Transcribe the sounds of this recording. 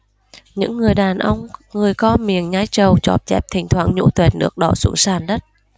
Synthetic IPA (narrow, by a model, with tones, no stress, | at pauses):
ɲɨ̰˧˥ŋːɨ˨˩əjɗaː˨˩nʔə˧wŋ͡mŋɨ˨˩əjkɔ˧mi˨˩əŋɲaː˧˥jt͡ɕə˨˩wt͡ɕɔ̰˨˩p̚t͡ɕɛ˦˥p̚t̪ʰï˨˩ŋ̟t̪ʰwaː˧˩ŋɲṵ˧˥t̪we˨˩nnːɨ̰˦˥ək̚ɗɔ̰˧˩sṵ˧˥saː˨˩nɗə˦˥t̚